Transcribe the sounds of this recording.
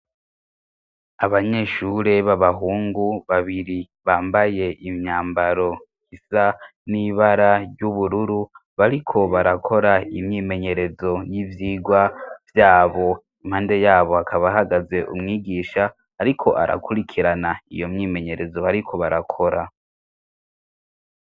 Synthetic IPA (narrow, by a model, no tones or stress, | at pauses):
aβaɲe̞ʃuɾe̞βaβaɦuːŋɡuβaβiɾi | βaːmbaje̞ʔimɲaːmbaɾo̞ | hisaniβaɾaɾjuβuɾuɾuβaɾikʰo̞βaɾakʰo̞ɾaimɲiːme̞ɲe̞ɾe̞zo̞jivjiːɡwavjaːβo̞ | imhaːnde̞jaːβo̞akʰaβaɦaɡaze̞ʔṵmŋiːɡiːʃaː | ɾikʰo̞ʔa̰ɾʔa̰kuɾikʰiɾanaḭjo̞mɲiːme̞ɲe̞ɾe̞zo̞aɾikʰo̞βaɾakʰo̞ɾa